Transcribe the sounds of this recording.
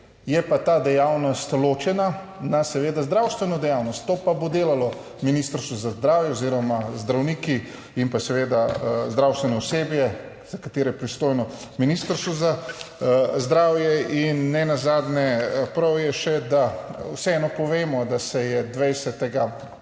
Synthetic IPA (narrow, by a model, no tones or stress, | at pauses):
jɛpat̪aːd̪ɛjawnɔst̪loːt͡ʃɛna | nasɛʋeːd̪azd̪ɾaːwst̪ʋɛnɔd̪ɛjawnɔst̪ːoːpabod̪eːlalɔ | minist̪əɾst̪uzazd̪ɾaːwjɛoziɾɔmazd̪ɾawniːki | impasɛʋeːd̪azd̪ɾawst̪ʋɛnɔɔseːbjɛ | z̥akat̪eːɾɛjɛpɾist̪oːjnɔminiːst̪əɾst̪uza | zd̪ɾaːwjɛinːɛnazaːd̪nɛpɾɐwjɛʃɛd̪awsɛɛnɔpɔʋeːmɔd̪asɛjɛd̪ʋɛjsɛt̪ɛɡa